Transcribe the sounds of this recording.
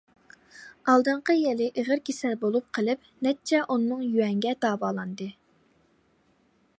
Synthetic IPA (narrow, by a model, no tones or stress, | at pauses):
ɑlˠd̪ɨɴqəjɛlɪʔeʁəɾkʲesælbolˠup̚qʰəlˠɨp̚ | nɛt͡ʃʰːɛʔunːɨŋjywɛŋɡʲɛd̪ɑːbɑːlˠɑnd̪ɨ